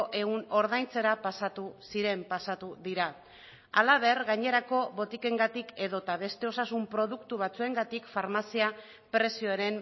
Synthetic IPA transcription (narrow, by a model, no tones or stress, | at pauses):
ʔe̞uno̞ɾðajnt͡se̞ɾapasat̪usiɾe̞mpasat̪uðiɾa | alaβe̞ɾɣaɲe̞ɾako̞βo̞t̪ike̞ŋɡat̪ikʰe̞ðo̞t̪aβ̞e̞st̪e̞o̞sasumpɾo̞ðukt̪uβ̞at͡sue̞ŋɡat̪ikfaɾmasia | pɾe̞sio̞eɾe̞m